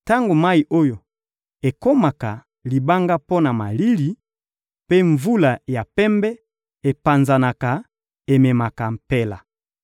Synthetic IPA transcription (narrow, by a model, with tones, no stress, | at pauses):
ta˦ŋɡo˨ma˦i˨ʔo˦jo˨ | e˨ko˦ma˨ka˨ | li˨ba˦ŋɡa˦po˦na˨ma˨li˦li˨ | pe˦ɱvu˦la˨ja˨pɛ˦mbɛ˦ | e˨pa˨nza˨na˨ka˨ | e˨mɛ˨ma˨ka˨m̩˨pɛ˦la˨